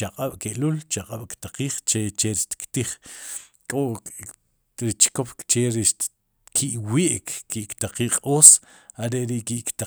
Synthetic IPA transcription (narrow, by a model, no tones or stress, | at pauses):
t͡ʃaqʼaɓ̥keʔlult͡ʃaqʼaɓ̥kt̪aqiːχt͡ʃet͡ʃeɾiʃt̪i̥kt̪iχ | kʼoʔ | ɾit͡ʃkopkt͡ʃeɾi | kʰiʔwiʔkkiʔkt̪aqiːqʼoːs | aɾeʔɾiʔkiʔkt̪a